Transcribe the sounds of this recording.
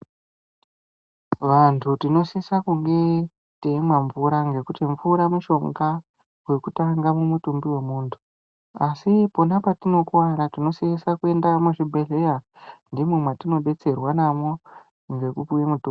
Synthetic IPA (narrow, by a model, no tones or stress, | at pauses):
ʋantʰutino̞siisakuŋɡe̞ | teimwaɱvuɾaŋɡe̞kutiɱvuɾamuʃo̞ŋɡa | we̞kutaŋɡamumutumbiwe̞muːntʰu̥ | asipo̞napatino̞kwaɾatino̞siisakue̞ndamuʐibʱe̞ɮe̞ja | ndimumwatino̞ɓe̞t͡se̞rwanamo̞ | ŋɡe̞kupiwemutu